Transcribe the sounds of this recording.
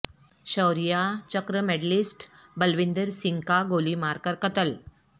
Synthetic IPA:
ɕəwɾijat͡ɕəkɾəmeɖlisʈ | bəlʋind̪əɾsiŋkaɡolimaɾkəɾkət̪əl

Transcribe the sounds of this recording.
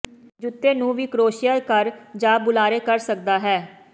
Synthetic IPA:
d͡ʒʊt̪ːeːnũːʋiːkɾoːʃijəlkəɾd͡ʒaːbʊlaːɾeːkəɾsək̚d̪aːɦɛː

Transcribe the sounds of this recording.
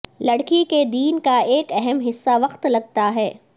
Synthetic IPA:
lɐɽkiked̪iːnkaeːkɛɦɛmɦɪsːaʋɐqt̪lɐɡ̚t̪aɦɛː

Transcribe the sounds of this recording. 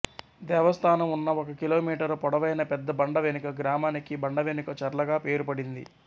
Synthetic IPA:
d̪ɛːʋɐst̪ʰaːnɐmunːɐɔkɐkiloːmiːʈɐɾpɔɽɐʋɐjnɐpɛd̪ːɐbɐɳɖɐʋenikɐɡɾaːmaːnikibɐɳɖɐʋenikɐt͡ʃɐɾlɐɡaːpe̞ːɾupɐɽind̪ḭ

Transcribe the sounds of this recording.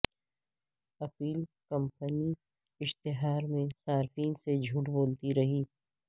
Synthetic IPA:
ɐpiːlkɐ̃mpəni | ɪʃt̪ɪɦaːɾmẽsaːɾfiːnsed͡ʒʱuʈboːlt̪iɾɐɦiː

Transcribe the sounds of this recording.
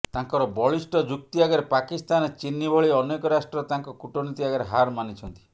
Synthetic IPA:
t̪aŋkɔɾɔbɔɭisʈɔd͡ʒuk̚t̪iaɡaɾepakist̪anet͡ʃinːibʱɔɭiɔnekɔɾasʈɾɔt̪aŋkɔkuʈonit̪iaɡaɾeɦaɾmanit͡ʃʰɔnt̪i̥

